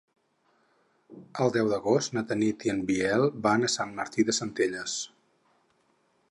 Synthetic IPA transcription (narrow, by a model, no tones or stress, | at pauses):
əlˠd̪ɛwðəɣost̪nət̪ənit̪iənbiɛlˠbanəsanːəɾt̪iðəsənt̪eʎəs